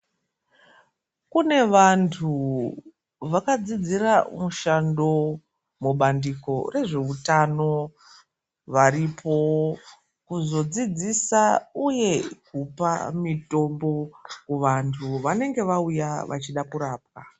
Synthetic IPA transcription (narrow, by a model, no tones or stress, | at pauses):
kune̞ʋantʰu | ʋakad͡zid͡ziramuʃando̞ | muɓandiko̞re̞ʐe̞utano̞ | ʋaɾipʰo̞ | kuzo̞d͡zid͡zisauje̞kupa̰mito̞mbo̞kuʋantʰuʋane̞ŋɡe̞ʋaujaʋʔa̰t͡ʃiɗakuɾaːp̚ka